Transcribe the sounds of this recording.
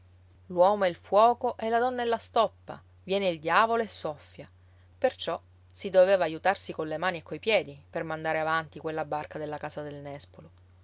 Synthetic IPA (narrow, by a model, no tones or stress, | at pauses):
lwɔːmoelfwɔːkoʔɛlːad̪ɔnːaelːast̪ɔpːa̰ | vjɛːneild̪jaːvoloesːɔfːja | pert͡ʃɔ | sid̪oveːvaːjut̪arsikonlːemaːniekːojpjɛːd̪ipermand̪aːɾeavant̪ikwelːabarkad̪elːakaːsad̪elnɛspolo